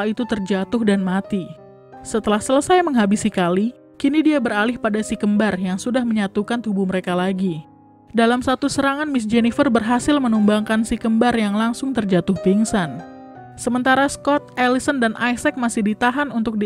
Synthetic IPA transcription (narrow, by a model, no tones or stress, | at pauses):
it̪ut̪ərd͡ʒat̪ʊhdanmat̪i | sət̪əlahsələsajməŋɦabisikali | kinidiabəɾalɪhpadasikəmbarjaŋsudahməɲat̪ukant̪ubuməɾekalaɡi | dalamsat̪usəɾaŋanmɪsd͡ʒenifərbərɦasɪlmənumbaŋkansikəmbarjaŋlaŋsʊŋt̪ərd͡ʒat̪ʊhfiŋsan | səmənt̪aɾaskɔt̪̚elisəndanʔajsɛk̚masɪhdit̪aɦanunt̪ʊk̚d